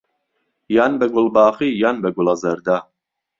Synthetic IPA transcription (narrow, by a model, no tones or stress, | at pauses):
jaːnbɛɡʊlbaːχiːjaːnbɛɡʊlɑzɐɾd̪aː